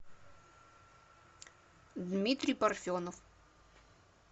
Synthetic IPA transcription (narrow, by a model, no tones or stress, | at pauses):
d̪mʲit̪ɾʲijpɐrfʲonɔf